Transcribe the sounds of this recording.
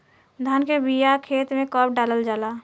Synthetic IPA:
d̪ʱankebijakʰeːt̪mẽkəp̚ɖaːləld͡ʒaːlaː

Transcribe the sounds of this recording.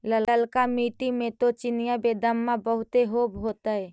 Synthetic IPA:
lələlkamiːʈimẽt̪ot͡ʃɪnijabeːd̪əmːãbəɦʊt̪eɦoːbɦoːt̪aɦɛː

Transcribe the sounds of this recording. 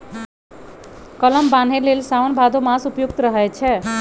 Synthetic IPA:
kʌləmban̤ɦelelsawnbʱad̪omasupjuk̚t̪ɾʌɦet͡ʃʰɛ

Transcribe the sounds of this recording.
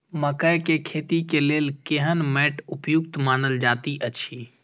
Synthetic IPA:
məkəjkekʰeːt̪ikeleːlkeɦənmɛːʈupjuk̚t̪maːnəld͡ʒaːt̪iʔət͡ʃʰi

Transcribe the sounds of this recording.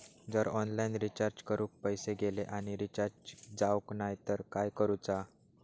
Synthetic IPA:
d͡zəɾɔnlainɾit͡ɕaɾd͡ʑkəɾʔũːk̚pəjseɡeleʔaɽ̃iɾit͡ɕaɾd͡ʑd͡zawknajt̪əɾkajkəɾuːt͡sa

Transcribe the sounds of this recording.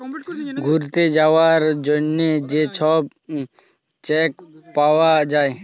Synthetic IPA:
ɡʱuɾt̪ed͡ʒaʋaɾd͡ʒoned͡ʒet͡ʃʰɔb | t͡ʃekpawad͡ʒae

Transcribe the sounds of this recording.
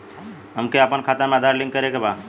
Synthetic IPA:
ɦəmkeəpənkʰat̪ameəd̪ʱaɾlĩŋɡkəɾekeba

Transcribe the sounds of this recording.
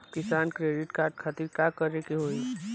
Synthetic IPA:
kɪsaːnkɾeːɖɪʈkaːɾʈkʰat̪iɾkakəɾekiɦoːi

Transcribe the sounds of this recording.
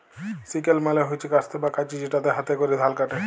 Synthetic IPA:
sikelmaleɦojt͡ʃʰikast̪ʰebakat͡ʃid͡ʑiʈat̪eɦat̪ekoɾid̪ʱalkaʈe

